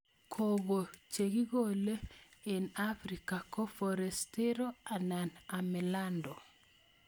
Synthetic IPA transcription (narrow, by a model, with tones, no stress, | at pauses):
kʰo˨ɣo˨t͡ʃe˨ɡi˦ɣo˦le˦e˨nafɾi˨ka˨kɔ˦fɔɾɛ˨ste˦ɾo˦a˨nanamɛ˨landɔ˨